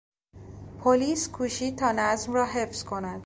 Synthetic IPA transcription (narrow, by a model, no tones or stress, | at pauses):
pʰoliːskʰuːʃiːt̪ʰɒːnæzmrɒːɦe̞fz̥kʰo̞næd̪̥